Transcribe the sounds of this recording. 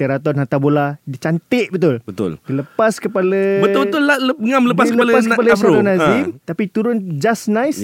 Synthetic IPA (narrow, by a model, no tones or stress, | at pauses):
t̪eɾat̪ɔnɦat̪aboladit͡ʃant̪ɪʔbət̪ʊlbət̪ʊ̰ldiləpaskəpaləbəʊbət̪ʊlaləəŋamləəpakalpaskəpalət̪ɔnazɪmt̪apit̪uɾʊnd͡ʒasnajs